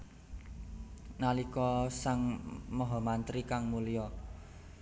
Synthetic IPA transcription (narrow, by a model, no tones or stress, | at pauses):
nalikɔsaŋmɔɦɔmant̪ɾikaŋmulijɔ